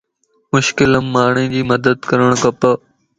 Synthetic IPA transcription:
mʊʃkɪləmːaːɳ̃ẽːd͡ʑiːməd̪əd̪kəɾəɽ̃kəpə

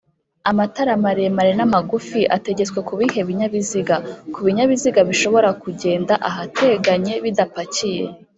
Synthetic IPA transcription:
amataɾamaɾemaɾenamaɡufiʔate̞ɟe̞t͡swe̞kuβihe̞βiɲaβiziɡakuβiɲaβiziɡaβiʃo̞βo̞ɾakuɟe̞ːndaʔaɦatʰe̞ɡaɲe̞βidapacije̞̰

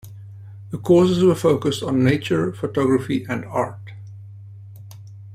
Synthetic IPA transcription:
ðəkʰɔːsɪzʋəfoʊkəstn̩ːeɪt͡ʃəɹfoʈɔɡɾəfiʔæ̃ɳɖa̰ːʈ

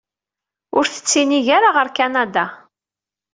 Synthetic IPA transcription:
ʊɾθə̥t͡sːiniʝaɾaʁəɾkanad̪a

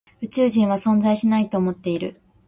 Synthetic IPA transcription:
ɯ̟t͡ɕɨːʑĩɰ̃βasõ̞nd͡zaiɕinait̪oːmo̞t̪ːe̞iɾɯ̟̰

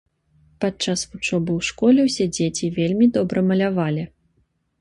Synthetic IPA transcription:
patt͡ʂːasvut͡ʂɔbɨwʂkɔlʲɛwsʲɛd͡zʲet͡sʲivʲelʲmʲid̪ɔbɾɐmɐlʲavalʲi

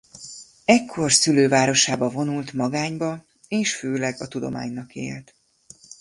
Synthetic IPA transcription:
ɛkʰːo̞rsyløːvaːɾo̞ʃaːbɒvo̞nult̪mɒɡaːɲbɒ | eːʃføːlɛɡɒt̪ud̪o̞̰ma̰ːɲnɒkḛːlt̪

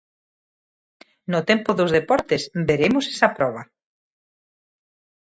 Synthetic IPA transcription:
not̪empoðozðepɔɾt̪esbeɾemʊsɛ̥sɐpɾɔβ̞ɐ

